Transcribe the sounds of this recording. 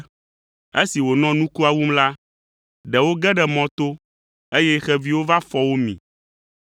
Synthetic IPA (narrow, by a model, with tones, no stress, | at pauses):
e˦si˨wo˨nɔ̃˦nũ˦ku˦a˨wu˦mla˦ | ɖɛ˨wo˦ɡɛ˦ɖɛ˨mɔ̃˨t̪o˦ | e˦jɛ˦xɛ˨vi˦wo˦va˦fɔ˨wo˦mḭ̃˨